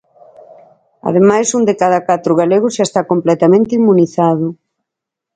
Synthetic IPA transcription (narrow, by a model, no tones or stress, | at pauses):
ɐ̰ðemajsund̪ɪkaðɐkat̪ɾʊɣaleɣ̞ʊzʃaest̪akomplɛt̪amẽnt̪ɪimːuniθað̞ʊ